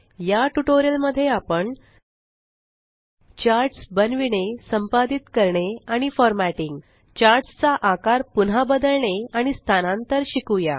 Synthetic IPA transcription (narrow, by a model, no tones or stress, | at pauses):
jaʈuʈoɾijəlməd̪ʱːjeapəɳ | t͡ɕaɾʈsbənʋiɳesəmpad̪it̪kəɾɳeaɽ̃ifɔɾmæʈiŋɡ | t͡ɕaɾɖst͡saʔakaɾpunabəd̪əɭɳeaɽ̃ist̪ʰanãnt̪əɾɕikuja̰